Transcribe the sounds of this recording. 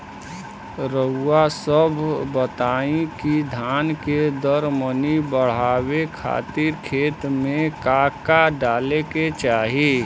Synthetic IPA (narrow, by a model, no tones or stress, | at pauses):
ɾəuasəbʱbət̪aːĩkid̪ʱanked̪əɾmənibəɽ̤aːwekʰa̰t̪iɾkʰeːt̪mẽkaːkaɖaːleket͡ʃaːɦi